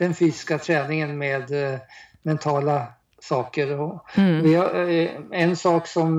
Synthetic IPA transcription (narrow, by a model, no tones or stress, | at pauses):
d̪̥ɛnfyːsɪ̥skat̪ʰɾɛːnɪŋənmeːd̪ | mɛnt̪ʰɑːla | sɑːkəɾɔvɪa | ɛnsɑːksɔm